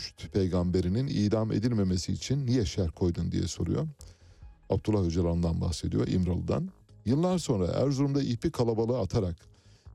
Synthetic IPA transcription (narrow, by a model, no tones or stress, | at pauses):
ʃt̪pʰe̞jɡambe̞ɾininḭːd̪amḛd̪ilʲme̞mesiːt͡ʃʰinːijɛʃæɾkʰo̞jd̪und̪ḭjɛ̰so̞̰ɾṵjo̞̰ | ab̚t̪ʰulˠːahød͡ʒalˠaɯnd̪anba̰xse̞d̪ijo̞̰ɾʔḭmɾalˠɯd̪a̰njɯlˠːaɾso̞nɾa̰hæ̰ɾzuɾumd̪aʔilpikʰalˠabalˠɯat̪ʰaɾak